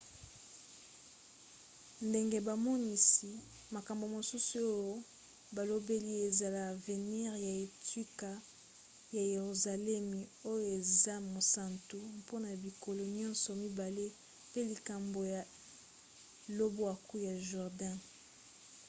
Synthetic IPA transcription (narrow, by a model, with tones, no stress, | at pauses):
nde˨ŋɡe˦ba˨mɔ˦ni˨si˨ | ma˨ka˨mbo˨mo˨su˦su˨o˦jo˦ | ba˨lo˦be˦li˦e˨za˨la˨ve˨ni˦ʁja˨e˨twi˦ka˨ | ja˨je˨ʁu˨za˨lɛ˦mi˨o˦jo˦e˨za˦mo˨sa˨ntu˨po˦na˨bi˨ko˨lo˨ɲɔ̃˦nsɔ˨mi˦ba˨le˦ | pe˦li˨ka˨mbo˨ja˨ | lo˦bo˦a˨ku˦ja˨ʒu˨ʁdã˦